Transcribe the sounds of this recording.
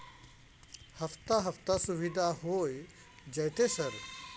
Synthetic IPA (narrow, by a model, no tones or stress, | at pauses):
hɐft̪aɦɐft̪asuʋid̪ʱaɦoːj | d͡ʒɐjt̪esɐɾ